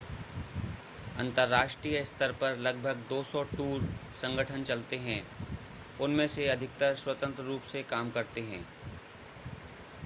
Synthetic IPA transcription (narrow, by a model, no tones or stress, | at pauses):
ɐ̃nt̪əɾːaːʃʈɾijəɪst̪əɾpɐɾlɐɡ̚bʱəɡd̪oːsɔʈuːɾsɐ̃ŋɡəʈʰənt͡ʃɐlt̪eɦɛ̃ | ʊnmẽseɐd̪ʱɪk̚t̪əɾswət̪ə̃nt̪ɾəɾuːpsekaːmkɐɾt̪eɦɛ̰̃ː